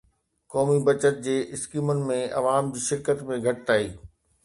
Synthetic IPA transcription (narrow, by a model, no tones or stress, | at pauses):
kɔːmibɐt͡ɕət̪̚d͡ʑeːʔɪskiːmʊnɪ̆mẽɐ̰ʋaːmd͡ʑiːʃɪɾkət̪mẽɡʱɐʈɪt̪aːiː